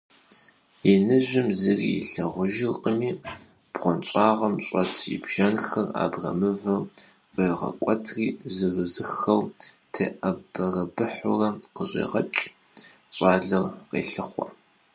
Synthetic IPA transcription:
inɨʑʷɪmzɨriːḭɬɐʁʷʊʒɪrqʼəmiː | b̥ʁʷɔnt͡ʃʷʼaːʁɐmɕʼɐtʰjḭbʒ̥ɐnxɐra̰ːbrɐ̰mɨvɐr | qeːʁɐ̰kʷʼɐtʰriːzɨɣɨzɨxɐwtʰeːʔɐbɐrɐbɨħʊrɐqəʑḛːʁɐt͡ʃʼ | ɕʷʼaːɮɐrqḛːɬɨχʷɐ̰

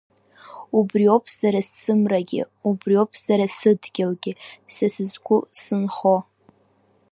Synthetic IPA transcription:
ubriopʰz̥aɾasːɨmraɡʲɪ̰ | ubriopʰz̥aɾasɨdɡʲɪlɡʲɪsɨsɨzɡʷusɨnχo

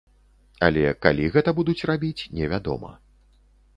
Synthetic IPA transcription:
a̰lʲɛkalʲiɣɛt̪ɐbud̪ut͡sʲrabʲit͡sʲnʲɛvʲad̪ɔ̰mɐ̰

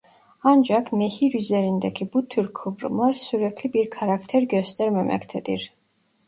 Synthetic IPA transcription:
and͡ʒakʰnɛhiɾyzɛɾind̪ɛkʰibut̪ʰːyɾkʰːubɾ̰maɾsuɾɛkʰlibiɾkʰaɾakʰt̪ʰɛɾɡɛst̪ɛɾmɛmɛ̰kʰt̪ʰɛd̪ḭɾ

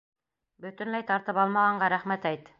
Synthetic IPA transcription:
bɵ̆t̪ɵ̆nlæjt̪ɑɾt̪ɤpɑlˠmɑʁɑɴɢɑɾæχmæt̪æjt̪

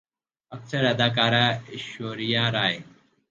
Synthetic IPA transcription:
ɐksəɾɦɐd̪aːk̬aːɾaːɪʃoːɾijãːɾaːeː

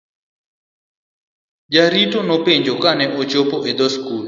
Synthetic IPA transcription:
d͡ʒaɾitɔnɔpeɲd͡ʒokanɛʔot͡ʃopɔʔed̪ɔskul

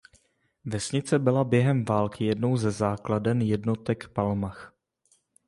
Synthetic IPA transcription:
vɛsɲɪt͡sɛbɪlabjɛɦɛmvaːlkɪjɛdno̞wzɛzaːkladɛnjɛdno̞t̪ɛkpalmax

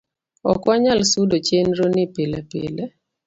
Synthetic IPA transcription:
ɔkaɲalsudot͡ʃenɾonɪpelɛpḛlɛ

